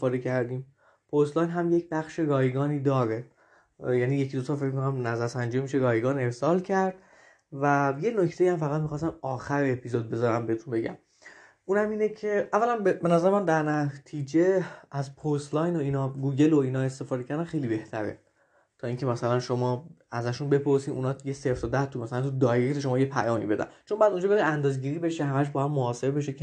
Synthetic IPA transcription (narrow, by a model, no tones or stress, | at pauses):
fɒːd̪ecʰæɾd̪iːm | pʰost̪lɒːjnɦæmje̞cʰbæxʃeɡɒːjɡɒːniːd̪ɒːɾe | jæniːje̞cʰid̪ot̪ʰɒːfe̞cmikʰonæmnæzæɾsænd͡ʒiːmiʃeɡɒːjeɡɒːne̞ɾsɒːlcʰæɾd̪̥̚ | væjenocʰt̪e̞jiæmfæɣæt̪mixɒːst̪æmɒːxæɾeepʰizod̪̚be̞zɒɾæmbeet̪ʰunbe̞ɟæ̰m | uːnæmiːnecʰeʔævːælænbebe̞næzæɾemænd̪æɾnæt̪ʰiːd͡ʒeæzpʰost̪lɒjnoiːnɒɡuːɟe̞loiːnɒːe̞st̪e̞fɒːd̪ecʰæɾd̪æmxe̞jlibe̞ht̪ʰæɾḛ | t̪ʰɒːiːŋcʰe̞mæsælænʃomɒːæzæʃunbe̞pʰo̞ɾsiːʔṵnɒːtjeseɾft̪od̪æt̪ʰumæsælænt̪ʰud̪ɒːjekt̪eʃ̬o̞mɒːjepʰæ̰jɒːmḭbe̞d̪æ̰nt͡ʃʰonmbɒjæd̪und͡ʒɒːbeɾiænd̪ɒːzeɟiːɾiːbe̞ʃehæmæʃ̬bɒːjæd̪moɒːse̞ɾbe̞ʃ̬e